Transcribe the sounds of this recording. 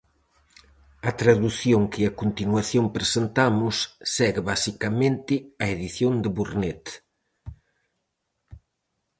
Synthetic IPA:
ɐt̪ɾaðuθjoŋkɪɐkont̪inwaθjompɾesent̪amʊsːɛɣɪβasikamẽnt̪ɪɐeðiθjond̪ɪβuɾnet̪

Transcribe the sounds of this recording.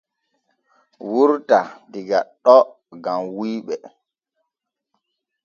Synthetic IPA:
wuɾtadiɡaɗɔ | ɡamwiːɓɛ

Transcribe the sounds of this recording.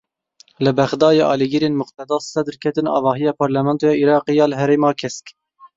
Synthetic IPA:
lɨbɛxd̪ɑːjɑːʔɑ̰ːliɡiɾeːnmʊqt̪ɛd̪ɑːsɛd̪ɾkʰɛt̪ɨnɑ̰ːvɑːɦijɑːpʰɑɾlɛmɛnt̪ojɑːʔiɾɑːqijɑːləɦɛɾeːmɑːkʰɛsk

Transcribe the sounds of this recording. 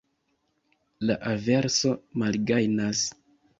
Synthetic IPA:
la̰ʔave̞ɾso̞malɡajnas

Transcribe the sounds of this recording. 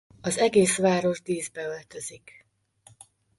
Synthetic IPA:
ɒzɛɡeːsʋaːɾo̞ʒd̪iːzbɛø̞lt̪ø̞zik

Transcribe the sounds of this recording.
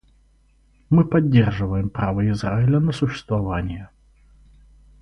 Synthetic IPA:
mɨpɐdʲːerʐɨvəjɪmpɾavəɪzraɪlʲənəsʊɕːɪ̥st̪vɐvanʲɪjə

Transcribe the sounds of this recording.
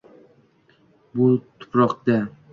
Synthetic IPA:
bʊt̪ʰʊ̥pɾɒqd̪a

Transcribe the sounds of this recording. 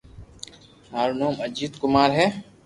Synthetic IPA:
ɦaːɾunoːməd͡ʒiːt̪kʊmaːɾɦɛː

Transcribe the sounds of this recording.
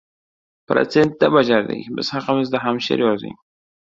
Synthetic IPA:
pɾa̰t͡sent̪̚d̪abad͡ʒaɾd̪ḛbə̰shaqaməzd̪aɦamʃḛɾeazḭ

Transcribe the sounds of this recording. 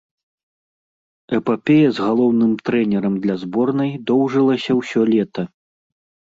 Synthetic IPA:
ɛpapʲɛjɐzɣalˠɔwnɨmt̪ɾɛnʲɛɾɐmd̪lʲɐzbɔrnɐjd̪ɔwʐɨlˠɐsʲɐwsʲɔlʲɛt̪ɐ

